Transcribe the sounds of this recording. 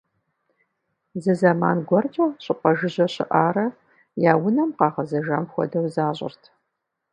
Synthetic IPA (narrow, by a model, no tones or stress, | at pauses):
zɐzɐma̰ːnɡʷɔrt͡ʃʼɐɕʼɪqʷʼɐʒɨʑɐɕɪ̰ʔaːɾɐ | jaːwʊnɐmqɑːʁɐzɐʒɐ̰mxʷɔ̰dɐwzaːɕʷʼɪ̰rtʰ